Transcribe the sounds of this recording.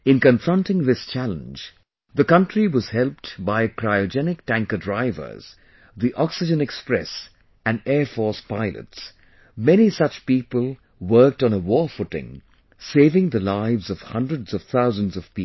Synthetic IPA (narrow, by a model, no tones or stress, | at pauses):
ɨ̃nkɨ̃ɱfɹʌ̃ntɪ̃ŋðɪst͡ʃælə̰̃nd͡ʒ | ðəkʌ̃ntɹ̥iwʌz̥hɛlˠp̚tbaɪkʰɹaɪɨd͡ʒɛnɪk̚tæ̃ŋkədɹaɪvə̰˞z̥ | ðiʔɔksɨd͡ʒɨ̃nɛkspɹɛ̰s | ɨ̃nɛɹfɔɹspaɪlə̰ts | mɛñisʌt͡ʃpiːpəlˠ | wɜ˞k̚tnəwɔɹfʊʈɪ̰̃ŋ | seɪvɪ̃ŋðəlaɪvzʌv̥hʌ̰̃ndɹədz̥ʌv̥θaʊzə̃nzʌv̥pi